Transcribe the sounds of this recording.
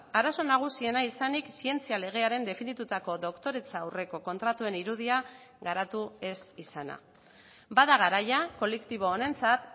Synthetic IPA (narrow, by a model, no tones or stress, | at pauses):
aɾaso̞naɣ̞usie̞naisaniksie̞nt͡siale̞ɣ̞e̞aɾe̞nd̪e̞finit̪ut̪ako̞ðo̞kt̪o̞ɾe̞t͡saawre̞ko̞ko̞nt̪ɾat̪ue̞niɾuð̞ia | ɣaɾat̪ue̞sisana̰ | baðaɣ̞aɾajako̞le̞kt̪iβ̞o̞ːne̞nt͡sat̪